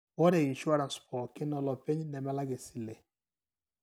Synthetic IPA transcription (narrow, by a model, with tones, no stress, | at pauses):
wɔ˦ɾɛ˨i˨nʃu˦a˦ɾa˨nspɔ˨kɪ˦nɔ˨lɔ˨pɛ˦ɲnɛ˨mɛ˦la˦ɡe˨si˦le˨